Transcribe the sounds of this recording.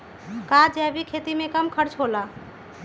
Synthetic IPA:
kad͡ʒɛbikʰet̪imekəmkʰəɾt͡ʃɦola

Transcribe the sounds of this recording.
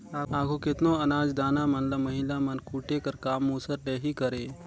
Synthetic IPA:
aaːɡokɪt̪noɐnaːd͡ʒd̪aːnamənlaməɦilamənkʰuːʈekəɾkaːmːuːsəɾɖeɦikəɾeː

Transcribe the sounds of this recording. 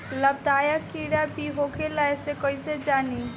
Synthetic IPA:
ləb̚t̪ajakiɽabiɦokʰelaesekɔised͡ʒani

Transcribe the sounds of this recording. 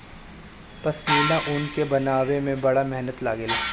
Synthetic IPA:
pɐsmiːlaʔʊnkebɐnaːwemẽbɐɽamɛɦnət̪laːɡeːl

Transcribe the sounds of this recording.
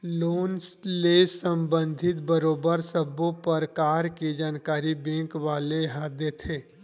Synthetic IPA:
loːnslesə̃mbə̃nd̪ʱɪt̪bəɾoːbəɾsəbõpəɾkaːɾked͡ʒaːnkaːɾibɛ̃ːŋkʋaːleɦad̪et̪ʰeː

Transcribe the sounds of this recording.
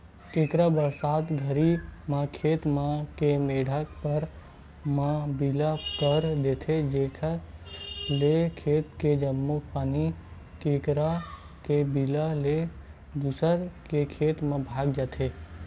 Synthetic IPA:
keːkɾabəsaːt̪ɡʱəɾimãkʰeːt̪mãkemeɽʱakpəɾ | mãbilakəɾd̪et̪ʰed͡ʒekʰa | lekʰeːt̪ked͡ʒəmːopaːni | keːkɾa | kebilale | d̪usəɾkekʰeːt̪mãbʱaːɡd͡ʒat̪ʰe

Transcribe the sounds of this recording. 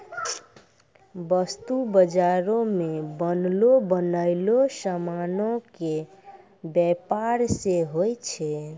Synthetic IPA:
bəst̪ubəd͡ʒaɾõmebənlobənəɪlosəmanoke | bjɛpaɾseɦojt͡ʃʰɛ

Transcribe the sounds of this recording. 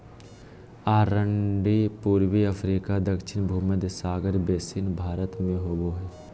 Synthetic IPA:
aːɾəɳɖipuːɾwiəpʰɾiːkad̪əkʃɪnbʱuːməd̪saːɡəɾbeːsɪnbʱaːɾət̪mẽɦoːboɦɛː

